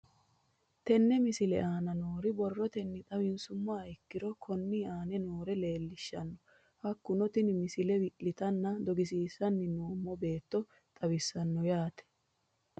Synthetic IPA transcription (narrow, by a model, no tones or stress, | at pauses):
t̪ɛnːɛmɪsɪlɛʔaːnɐnoːɾɪbɔrːɔt̪ɛnːɪt̪ʼɐwɪnsʊmːɐɐjkːɪɾɔkʰɔnːiaːnɛnoːɾɛle̞ːlːɪʃːɐ̰nːɔ | hɐkːʊnɔt̪ɪnɪmɪsɪlɛwɪʔlɪt̪ɐnːɐd̪ɔɡɪs̬iːsɐnːɪnoːmːɔbe̞ːt̪ːɔ | t̪ʼɐwɪsːɐnːɔjaːt̪ɛ̥